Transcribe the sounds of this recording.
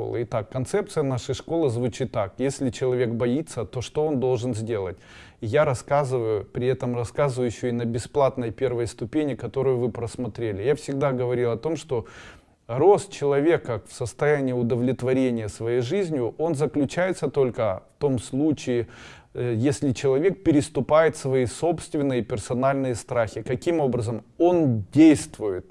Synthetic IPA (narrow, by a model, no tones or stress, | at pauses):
o̰lˠɨ̰ɪt̪akːɐnt̪sɛpt̪sɨjənaʂəjʂko̞lˠɨzvʊt͡ɕit̪ːakjesʲlʲɪt͡ɕɪlˠɐvʲe̞kbɐit̪sət̪o̞ʂt̪oond̪o̞lˠʐɨnzʲdʲe̞lˠət̚ʲɪjaɾɐskazɨvəjʊpɾʲɪɛt̪əmrɐskazɨvəjɪɕːoɪnəbʲɪsplˠat̪nəjpʲe̞rvəjst̪ʊpʲenʲɪkɐt̪o̞ɾʊjʊvɨpɾəsmɐt̪ɾʲelʲɪjafsʲɪɡ̚d̪aɡəvɐɾʲilˠɐt̪o̞mʂt̪o̞ | ro̞st̪t͡ɕɪlˠɐvʲe̞kəfsəst̪ɐjænʲɪjəʊd̪əvlʲɪt̪vɐɾʲenʲɪjəsvɐjejʐɨzʲnʲjʊʔo̞nzəklʲʉt͡ɕæjɪt̪sət̪o̞lʲkəft̪o̞mslˠut͡ɕɪɪ | jesʲlʲɪt͡ɕɪlˠɐvʲe̞k̚pʲɪɾʲɪst̪ʊpajɪt̪svɐiso̞pst̪vʲɪnːɨjəpʲɪrsɐnalʲnɨjəst̪ɾaxʲɪkɐkʲimo̞bɾəzəmo̞ndʲejst̪vʊjɪt̪̚